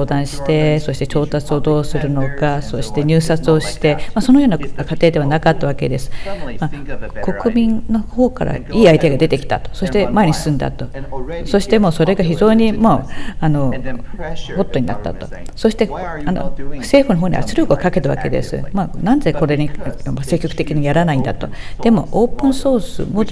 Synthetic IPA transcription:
oːd̪ãɰ̃ɕi̥t̪e̞so̞ɕi̥t̪e̞t͡ɕo̞ːt̪at͡sɨo̞d̪o̞ːsɨɾɯ̟no̞kaso̞ɕi̥t̪e̞ɲ̟ʲɨːsat͡sɨo̞ɕi̥t̪e̞maso̞no̞joːnakat̪e̞ːd̪e̞β̞anakat̪ːaβake̞d̪e̞sɨ̥mako̞kɯ̟mʲĩnːo̞ho̞ːka̰ɾa̰iːait̪eaɡad̪e̞t̪e̞kʲi̥t̪a̰t̪o̥so̞ɕi̥t̪e̞mae̞ɲʲisɨ̥sɨ̃nd̪a̰t̪o̞so̞ɕi̥t̪e̞mo̞ːso̞ɾe̞ɡaçiʑo̞ːɲ̟imoano̞ | ho̞t̪ːo̞ɲina̰t̪ːa̰t̪o̞so̞ɕi̥t̪e̞ano̰se̞ːɸɯ̟no̞ɦo̞ːɲ̟ʲḭβa̰t͡sɨɾɯkɯokake̞t̪aβa̰ke̞̰d̪e̞̰sɨ̰manãnd͡ze̞ko̞ɾe̞ɲimase̞kʲːo̞kɯ̟t̪e̞kʲiɲ̟ijaɾanaĩnd̪a̰t̪o̞d̪̥e̞mo̞̰oːpɯ̃ɰ̃so̞ːsɨ̰mo

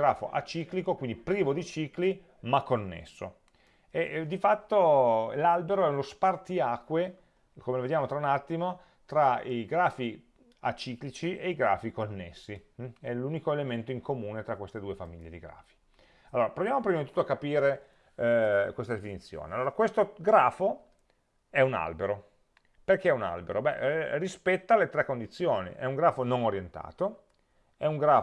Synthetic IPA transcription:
ɡɾaːfo̰ʔa̰t͡ʃiklikokwind̪ipɾiːvod̪it͡ʃikli | makːonːḛsːo̰ | ed̪ifat̪ːolalbeɾoɛunospart̪iaːkwe | komeloved̪jaːmot̪ɾaunat̪ːimo | t̪ɾaiɡɾaːfi | a̰t͡ʃiːklit͡ʃieiɡɾa̰ːfikonːesːiɛluːnikoelement̪oiŋkomuːnet̪ɾakːwest̪ed̪uːefamiʎːed̪iɡɾa̰ːfi̥ | alːoːɾapɾovjaːmopɾimad̪it̪ut̪ːoakːapiːɾe | kwest̪ad̪efinit̪sːjo̰ːnealːoːɾakwest̪oɡɾaːfo | ɛuna̰lbeɾo | perkeɛuna̰lbeɾobɛ̰rispɛt̪ːalet̪ɾɛkːond̪it̪sːjoːnḭʔɛ̰uŋɡɾaːfonoŋoɾjent̪a̰ːt̪o | ɛuŋɡɾaː

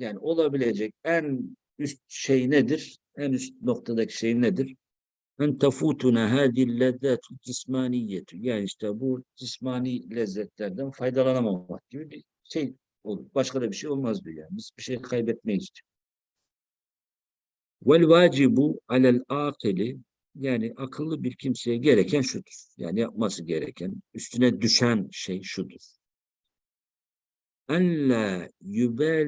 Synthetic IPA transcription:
jaːnɪʔo̞lˠɑbilʲed͡ʒɛc̚æn | yst̪̚ʃejnɛd̪iɾ | ænyst̪̚no̞q̚t̪ʰad̪acʰi̥ʃejnɛd̪iɾ | ʔænt̪ʰafuːt̪ʰunaːɦaːðihilːɛðːat̪ʰd͡ʒismaːnijːɛt̪ʰujaːniiʃt̪ɛbud͡ʒismaːnilɛzːɛt̪lʲæɾd̪ænfajd̪ɑlˠɑnamamak̚ɟibibi | ʃej | olˠuɾbaʃqad̪abiɾʃejo̞lˠmazd̪uja̰ːnɪisbiʃejkʰɑjbɛt̪̚mɛjid͡ʒt͡ʃ̪ʰɪ̥n | wælwaːd͡ʒibuʕalælaːqʰɨli | jaːniʔɑkʰɯlˠːɯbiɾcʰimsejɛɟeɾɛcʰænʃud̪uɾ̥ja̰ːnijap̚masɯɟeɾɛ̰cʰænyst̪ʰynɛd̪yʃænʃejʃud̪uɾ̥ | ænlæːjubæ

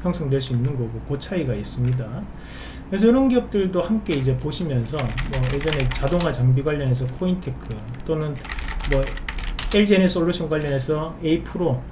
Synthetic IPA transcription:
pjʌŋsʰʌŋdweɭs͈uinːɯnɡʌɡokot͡ɕʰaiɡais͈ɯmɲida | kɯɾes̬ʰʌiɾʌnɡijʌk̚t͈ɯɭdohamk͈e̞id͡ʑe̞poɕʰimjʌnsʰʌmʌed͡ʑʌnest͡ɕadoŋɦat͡ɕaŋbiɡwaʎːʌne̞sʰʌkʰointʰe̞kʰɯt͈onɯnmʌ | eɭd͡ʑenes͈ʰoɭːoɕʰoŋɡwaʎːʌne̞sʰʌeipʰɯɾo

